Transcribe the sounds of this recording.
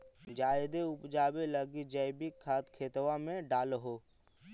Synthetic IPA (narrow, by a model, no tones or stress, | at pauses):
d͡ʒaːɪd̪eʊpd͡ʒaːbeləɡid͡ʒɐɪbikʰːaːt̪kʰeːt̪ʋamẽɖaːlɦoː